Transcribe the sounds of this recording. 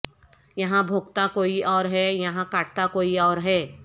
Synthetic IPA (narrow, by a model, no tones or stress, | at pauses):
jɐɦãbʱoːɡt̪akoːiɔːɾɦɛjɐɦãkaːʈ̚ʰt̪akoːiɔːɾɦɛː